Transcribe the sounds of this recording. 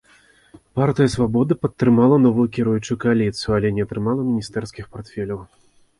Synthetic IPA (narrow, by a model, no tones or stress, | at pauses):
part̪ɨjɐsvabɔd̪ɨpɐt̪ːɾɨmalˠɐnɔvujukʲɛɾujut͡ʂujukɐalʲit̪sɨjualʲɛnʲɛɐt̪ɾɨmalˠɐmʲinʲist̪ɛrskʲixpart̪fʲɛlʲɐw